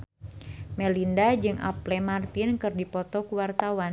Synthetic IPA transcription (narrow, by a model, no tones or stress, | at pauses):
mɛlindad͡ʒɨŋʔa̰plɛmart̪ɪnkɨrdipɔt̪ɔkuwart̪awan